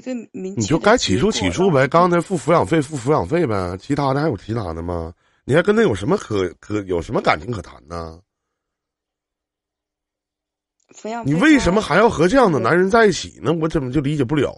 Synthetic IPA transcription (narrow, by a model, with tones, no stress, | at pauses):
ni˨˩t͡ɕjo˥˩ʊka˥ɪt͡ɕʰi˨˩ʂu˥t͡ɕʰḭ˨˩ʂu˥bə˨˥kɑ˥ŋt͡sʰa˧˥ɪfu˥˩fu˧˥jɑ˨˩ŋfe˥˧ɪfu˥˩fu˧˥jɑ˨˩ŋfe˥˩ɪbɐ˨˩t͡ɕʰi˧˥t̪ʰa˥d̪i˧˥jo˨˩ʊt͡ɕʰi˧˥t̪ʰa̰˧˥d̪ə˧mɐ̰˩ | ni˨˩˧kə˥nʈ͡ʂə˧˥njo˨˩ʂə˧˥mə˧kʰɤ˧˩˦kʰɤ˧˩˦jo˨˩ʊʂə˧˥mə˧ka˨˩nt͡ɕʰi˧˥ŋkʰːt̪ʰa̰˧˥nnə˧ | ni˨˩we˥˩ɪʂə˧˥nmə˧xa˧˥ɪjɑ˥˩ʊxɤ˧˥ʈ͡ʂɤ˥˧jɑ˥˩ŋd̪ə˩na˧˥nɻə˧˥nt͡sa˥˧ɪi˥˩t͡ɕʰḭ˨˩nə˧˥wɔ˧˥ʈ͡ʂə˥˩mə˧˩t͡ɕjo˥˩ʊli˧˥t͡ɕjɛ˨˩p̬u˥˩ljɑ̰˨˩˦ʊ